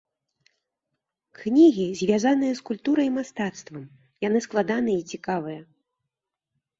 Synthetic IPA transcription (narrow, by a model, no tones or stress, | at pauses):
knʲiɣʲizʲvʲazan̪ɨjɐskulʲt̪uɾɐjimast̪at̪st̪vɐm | janɨsklˠad̪anɨjɛit͡sʲikavɨjɐ